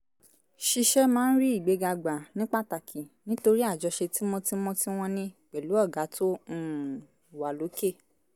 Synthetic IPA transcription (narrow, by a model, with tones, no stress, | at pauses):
ʃi˧ʃɛ˦mãː˨˦n̩˦ɾi˦i˦˨ɡ͡be˨˦ɡa˧ɡ͡ba˨nĩ˦k͡pa˦˨ta˨kʰi˨nĩ˨˦to˧ɾi˦a˦˨d͡ʒɔ˧ʃe˧ti˦mɔ̃˧ti˦mɔ̃˦ti˦w̃ɔ̃˧nĩ˧k͡pɛ˨lu˨˦ɔ˦˨ɡa˨˦tʰõ˦˨ | wa˨lo˨˦ke˦˨